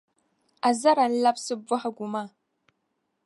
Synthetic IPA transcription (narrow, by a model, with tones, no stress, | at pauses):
a˨za˦ɾa˨n˦la˦psɨ˦bʊ˦ħa˨ɡʷu˨ma˦